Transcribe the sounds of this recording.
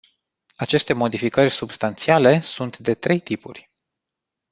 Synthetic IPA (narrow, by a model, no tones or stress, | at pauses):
at͡ʃe̞st̪e̞mo̞d̪ifikərʲsubst̪ant̪siale̞sunt̪d̪e̞t̪ɾe̞jt̪ipṵrʲ